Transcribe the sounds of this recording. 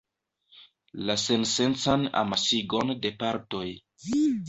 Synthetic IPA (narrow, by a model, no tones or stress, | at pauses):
lasensent͡sana̰masiɡo̞nde̞paɾto̞j